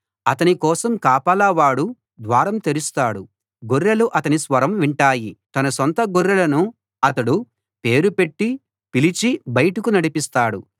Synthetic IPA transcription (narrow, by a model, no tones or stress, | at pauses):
ɐt̪ɐnikɔːsɐmkaːpalɐːʋaːɽu | d̪ʋaːɾɐmt̪eɾust̪aːɽu | ɡoɾːɐluʔɐt̪ɐnisʋɐɾɐmʋiɳʈaːjit̪ɐnɐsɔnt̪ɐɡuɾːɐlɐnu | ɐt̪ɐɽu | pe̞ːɾupeʈːi | pilit͡ʃibɐjɐʈukunɐɽipist̪aːɽṵ